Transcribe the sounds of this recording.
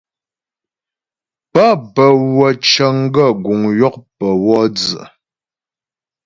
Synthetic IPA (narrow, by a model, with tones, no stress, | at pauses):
pa˦˨pə˨wə˨t͡ʃə˨ŋ˦ɡə˦˨ɡu˨ŋjɔ˦˨k̚pə˨wɔ˦d͡zə̰˨